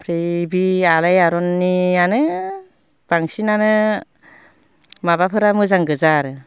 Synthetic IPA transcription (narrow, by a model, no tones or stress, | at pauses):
pʰɾejbialajaɾɔnːianɯ | b̥aŋsinanɯ | mabapʰɯɾamɯzaŋɡɯzaɾɯ